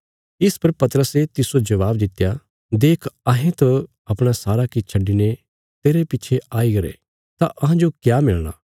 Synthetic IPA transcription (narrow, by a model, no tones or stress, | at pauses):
ɪspɐɾpɐt̪əɾəset̪ɪsod͡ʒɐʋaːbd̪ɪt̪ːja | d̪eːkʰɐɦẽt̪o | ɐpɽ̃asaːɾakit͡ʃʰɐɖːine | t̪eːɾepɪːt͡ʃʰeʔaːiɡɐɾḛ | t̪aʔɐɦãd͡ʒokjaːmɪlɽ̃a̰ː